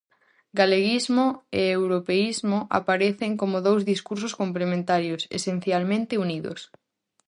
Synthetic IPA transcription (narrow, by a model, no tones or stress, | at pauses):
ɡaleɣizmoeewɾopeizmoʔa̰paɾeθeŋkomoðowzðiskuɾsʊskomplemẽnt̪aɾjosḛsẽnθjalmẽnt̪ɪuniðo̰s